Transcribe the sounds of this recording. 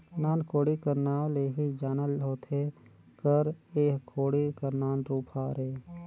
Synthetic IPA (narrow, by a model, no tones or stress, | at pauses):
naːnkoːɽikəɾnaːleɦid͡ʒaːnəlɦoːt̪ʰe | kəɾeːɦkʰoːɽikəɾnaːnɾuːpʰaːɾeː